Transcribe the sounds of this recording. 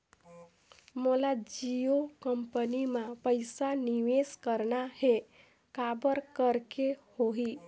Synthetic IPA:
molad͡ʒiokəmpənimãpəɪsaniʋeskəɾnaɦe | kabəɾkəɾkehoɦi

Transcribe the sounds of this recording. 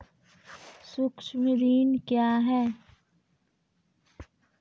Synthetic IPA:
sʊksmɪɾiːnkjaːɦɛː

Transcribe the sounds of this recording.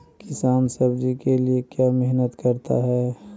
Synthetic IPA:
kɪsaːnsəbd͡ʒikeliekjamɛɦnət̪kəɾt̪a̰ɦɛː

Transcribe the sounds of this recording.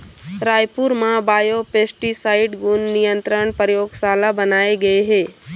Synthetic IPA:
ɾaːjpuɾmãbaːjopeːsʈisaːɪɖɡʊnːɪjə̃nt̪ɾəɳ̃pəɾjoːɡsaːlabənaːeɡɐeɦeː

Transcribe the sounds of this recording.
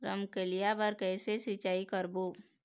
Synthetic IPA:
ɾə̰mkelijabəɾkɛːsesit͡ʃaːikəɾboː

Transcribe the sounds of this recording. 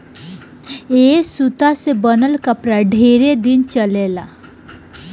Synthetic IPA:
eːsut̪asebənəlkəpɾaɖʱeːɾed̪ɪnt͡ʃəleːla

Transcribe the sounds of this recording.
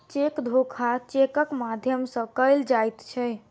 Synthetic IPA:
t͡ʃekd̪ʱokʰat͡ʃekəkmad̪ʱjəmsə̃kəjld͡ʒajt̪t͡ʃʰɛ

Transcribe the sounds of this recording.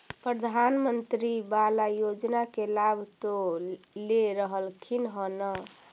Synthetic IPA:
pɾəd̪ʱanmənt̪ɾibalajod͡ʒnakelabʱt̪oleɾəɦəlkʰinɦənə

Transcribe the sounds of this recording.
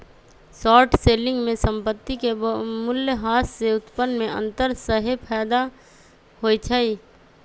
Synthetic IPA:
sɔːʈseːlɪ̃ŋɡmẽsə̃mpət̪ːikemʊljəɦaːsseʊt̪pənmẽə̰̃nt̪əɾsəɦepʰɛːd̪a | hoːit͡ʃʰəiː

